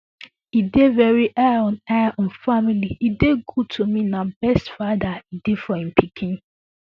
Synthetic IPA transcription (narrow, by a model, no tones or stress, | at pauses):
idevɛɹiʔɛɔ̃nɛaʔɔ̃nfamiliideɡud̚tʰominabɛstfadaidefɔhĩm̩pikʰĩn